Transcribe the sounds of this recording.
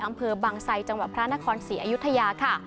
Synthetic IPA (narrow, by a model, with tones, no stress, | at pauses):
ʔa˧mpʰɤː˧baː˧ŋsa˧jt͡ɕa˧ŋwa˨˩t̪̚pʰɾa˦˥na˦˥kʰɔː˧nsiː˩˦ʔaː˧ju˦˥t̪ʰːa˧jaː˧kʰa˥˩